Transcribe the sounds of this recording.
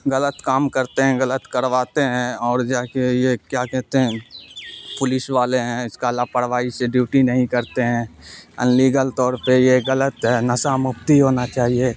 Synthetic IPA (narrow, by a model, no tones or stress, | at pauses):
ɣɐlət̪kaːmkəɾt̪eɦɛ̃ɣɐlət̪kəɾʋaːt̪eɦɛ̃ɔːɾd͡ʒaːkejekjakɛɦt̪eɦɛ̃ | pʊlɪʃʋaːleɦɛ̃ɪskalapəɽʋaːiseɖjuːʈinɐɦĩkɐɾt̪eɦɛ̃ːɪ̰nliːɡəlt̪ɔːɾpejeɣələt̪ɦɛːnɐsamʊpt̪iɦoːnat͡ʃaːɦie